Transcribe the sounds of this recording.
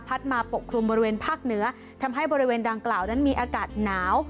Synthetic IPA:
pʰa˦˥t̪̚maː˧po˨˩p̚kʰɾu˧mbɔː˧ɾi˦weː˧npʰaː˥˩k̚nɯ˩˦˥ɐ | t̪ʰa˧mɦa˥˩jbɔː˧ɾi˦˥weː˧ndaː˧ŋklaː˨˩wna˦˥nmiː˧ʔaː˧kaː˨˩t̪̚naː˩˦˥w

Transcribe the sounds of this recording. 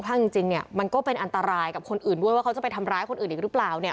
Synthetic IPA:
kʰaː˥˩ŋt͡ɕi˧ŋt͡ɕi˧ŋni˥˩ɐma˧nkɔː˥˩pe˧nʔa˧nt̪a˧ɾaː˧jka˨˩kʰo˧nʔɯː˨˩ndu˥˩jwaː˥˩kʰwt͡ɕa˨˩pa˧jt̪ʰa˧mɾaː˦˥jkʰo˧nʔɯː˨˩ʔiː˨˩ɾɯ˦˥plaː˨˩wni˥˩

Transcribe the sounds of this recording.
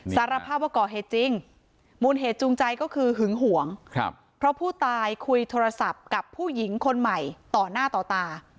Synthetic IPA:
saː˨˦˥ɾa˧pʰaː˥˩p̚waː˧˩kɔː˨˩ɦeː˨˩t̪̚t͡ɕi˧ŋ | muː˨˩˦nɦeː˨˩t̪̚t͡ɕu˧ŋt͡ɕa˧jkɔː˥˩kʰɯː˧ɦɯ˨˩˦ŋɦu˨˩˦əŋ˧ | pʰɾɔ˦˥pʰuː˥˩t̪aː˧jkʰu˧jt̪ʰoː˧ɾa˧sa˨˩p̚ka˨˩pʰːuː˥˩ji˩˦ŋkʰo˧nma˨˩jt̪ɔː˨˩naː˥˩t̪ɔː˨˩t̪aː˧

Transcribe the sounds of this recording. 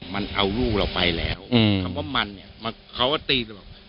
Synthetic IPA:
ma˧nʔa˧wluː˥˩k̚la˧˩wpa˧jlɛː˦˥wʰa˧˩mwa˥˩ma˧nːi˧˩ɐma˧ | kʰa˦˥waː˥˩t̪iː˧ɾbaː˨˩

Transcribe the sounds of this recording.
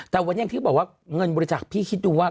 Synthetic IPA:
t̪ɛː˨˩wa˧ni˥˨t̪ʰiː˥˩bɔː˨˩k̚waː˥˩ŋɤ˧nbɔː˧ɾi˧t͡ɕa˨˩k̚pʰiː˥˩kʰi˦˥t̪̚duː˧waː˥˩

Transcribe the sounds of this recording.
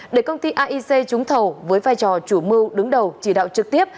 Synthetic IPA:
ɗe˧˩jkə˧wŋ͡mt̪i˧ʔaː˧ʔi˧se˧t͡ɕʊ˨˦ŋ͡mt̪ʰə˨˩wvəː˨˦jvaː˧jt͡ɕɔ˨˩t͡ɕu˧˩mɨ˧ɗɨ˨˦ŋɗə˨˩wt͡ɕi˧˩ɗa̰ː˧˨wt͡ɕɨ˨˩k̚t̪i˦˥əp̚

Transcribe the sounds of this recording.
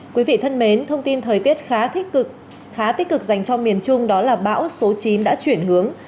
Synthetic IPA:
kwi˨˦vḭ˧˨t̪ʰə˧nme˨˦nt̪ʰə˧wŋ͡mt̪i˧nt̪ʰəː˨˩jt̪i˦˥ət̚xaː˨˦ | xaː˨˦t̪i˦˥k̚kɨ˨˩k̚za˨˩jŋ̟t͡ɕɔ˧mi˨˩ənt͡ɕʊ˧ŋ͡mɗɔ˨˦laː˨˩ɓa̰ː˧˥wso˨˦t͡ɕi˨˦nɗa̰ː˧˥t͡ɕwi˧˩ənhɨ˨˦əŋ

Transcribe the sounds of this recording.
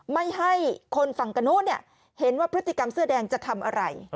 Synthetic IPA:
ma˥˩jɦa˥˩jkʰo˧nfa˨˩ŋka˧no˦˥tni˥˩ə | he˩˦nwaː˥˩pɾt̪ʰːi˧ka˧msɯ˥˩ədɛː˧ŋt͡ɕa˨˩t̪ʰa˧mʔa̰˧ɾa̰˧j

